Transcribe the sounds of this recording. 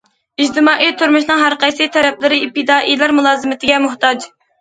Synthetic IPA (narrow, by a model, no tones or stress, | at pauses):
id͡ʒt̪ɨmɑːʔit̪ʰuɾmuʃnɨŋɦæɾqæjsɨt̪ʰɛɾɛp̚lɪɾɪip̪̚ʰɨd̪ɑːʔijlˠɑɾmulˠɑːzɨmɪt̪ʰɪɡʲɛmʊht̪ɑd͡ʒ